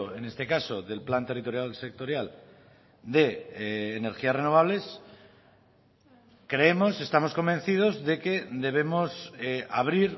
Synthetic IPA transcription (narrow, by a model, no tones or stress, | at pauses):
oene̞st̪e̞kaso̞ðe̞lplant̪e̞rit̪o̞ɾjalse̞k̚t̪o̞ɾjal | d̪e̞ːne̞ɾxiasreno̞β̞aβ̞le̞s | kɾe̞emo̞se̞st̪amo̞sko̞mbẽnθið̞o̞zðe̞ke̞d̪e̞β̞e̞mo̞saβ̞ɾiɾ